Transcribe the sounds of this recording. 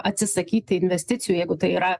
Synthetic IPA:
ɐt̪ʲsʲɪsɐkʲiːt̪ʲɪɪnʲʋʲɛsʲt̪ʲɪt̪sʲɪjuːjɛɪɡʊt̪ɐɪiːɾɐ

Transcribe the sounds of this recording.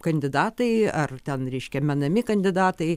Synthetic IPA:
kɐnʲd̪ʲɪd̪ɑːt̪ɐɪɐrt̪ʲɛnɾʲɛɪʃʲkʲɛmʲɛnɐmʲɪkɐnʲd̪ʲɪd̪ɑːt̪ɐɪ

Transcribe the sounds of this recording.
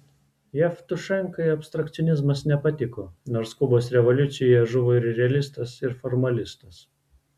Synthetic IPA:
jɛft̪ʊʃɐŋˑkɐɪɐpʲst̪ɾɐkt̪sʲɔnʲɪzmɐsnʲɛpɐt̪ʲɪkoːnoːɾskʊboːsɾʲɛʋɔlʲʊt̪sʲɪjojɛʒʊʋoːɪɾɾʲɛɐlʲɪst̪ɐsɪɾfɔɾmɐlʲɪst̪ɐs

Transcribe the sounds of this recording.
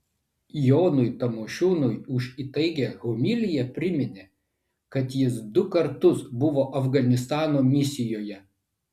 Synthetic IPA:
joːnʊjt̪ɐmoːʃʲuːnʊjʊʃit̪ɐɪɡʲeɣomʲɪlʲɪjɛpʲɾʲɪmʲɪnʲeː | kɐt̪jɪs̬d̪ʊkɐɾt̪ʊsbʊʋoːʔɐfɡɐnʲɪst̪ɑːnoːmʲɪsʲɪjoːjɛ

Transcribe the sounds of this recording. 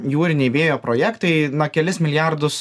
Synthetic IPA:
juːɾʲɪnʲɛɪbʲeːjoːpɾoːjæːkt̪ɐɪnokʲɛlʲɪsmʲɪlʲɪjæɾd̪ʊs

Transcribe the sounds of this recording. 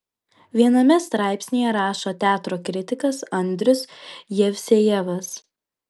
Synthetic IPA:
ʋʲiɛnɐmʲɛst̪ɾɑˑɪpʲsʲnʲejɛɾɑːʃoːt̪ʲæːt̪ɾoːkɾʲɪt̪ʲɪkɐsɐnʲd̪ʲɾʲʊsjɛʋʲsʲejɛʋɐs

